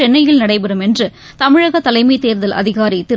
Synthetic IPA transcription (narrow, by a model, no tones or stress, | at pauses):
ɛnːɐjɪlnɐɽɐɪpɐɾɯmɛndrɯ | t̪ɐmɪɻɐɣɐt̪ːɐlɐɪmɐɪt̪eːɾðɐlʔɐ̰ðɪɣaːɾit̪ɪ